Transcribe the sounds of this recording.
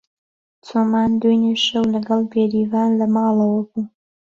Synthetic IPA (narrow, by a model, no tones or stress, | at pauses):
t͡sʰomaːnd̪ujneʃɐwlɐɡɐlbeːɾivɑːnlɐmɑːlɐwɐbu